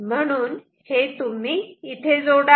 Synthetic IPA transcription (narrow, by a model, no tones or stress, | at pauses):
m̤əɽ̃uːn | het̪um̤iːt̪ʰed͡zoɽa